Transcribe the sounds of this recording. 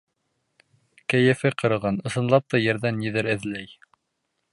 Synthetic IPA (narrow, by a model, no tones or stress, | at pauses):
kæjɘ̆fɘqɤ̆ɾɤ̆ʁɑnɤ̆sɤ̆nlˠɑp̚t̪ɑjæ̆ɾðænːiðɘɾɘ̆ðlæj